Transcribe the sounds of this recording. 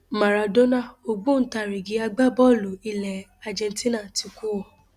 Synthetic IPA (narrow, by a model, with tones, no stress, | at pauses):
ma˨ɾa˨do˦nã˦˨o˧ɡ͡bũ˦n̩˦ta˦˨ɾi˨ɡi˨˦a˧ɡ͡ba˦˨bɔ˦˨lo˨i˧˨lɛ˨ | a˨d͡ʒɛ̃˧n˦ti˦nã˦˨ti˧ku˦ɔ˨